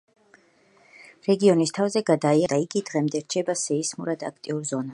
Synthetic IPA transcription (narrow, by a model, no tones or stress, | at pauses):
ɾɛɡiɔnist̪ʰavzɛɡad̪aiad̪aiɡid̪ʁɛmd̪ɛɾt͡ʃʰɛbasɛismuɾad̪ak̚ʰt̪ʼiuɾzɔna